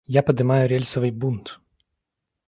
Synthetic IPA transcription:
japɐd̪ɨmajʊɾʲelʲsɐvɨjbunt̪

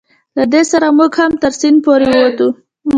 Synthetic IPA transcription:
lad̪esaɾamuɡhamt̪əɾsinpoɾewwat̪u

